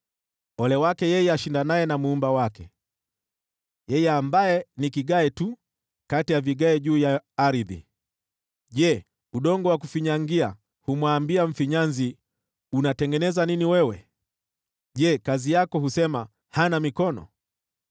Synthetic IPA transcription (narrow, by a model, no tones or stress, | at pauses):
ɔlɛwakɛjɛjɛaʃindanajɛnamuumbawakɛ | jɛjɛambajɛnikiɡaɛtu | katijaviɠaɛʄuːjaːɾiðḭ | ʄɛ | uɗɔŋɡɔwakufiɲaŋɡia | humwaːmbiaɱ̩fiɲanzi | unatɛŋɡɛnɛzaniniwɛwɛ | ʄɛkazijakɔhusɛma | hanamikɔnɔ̰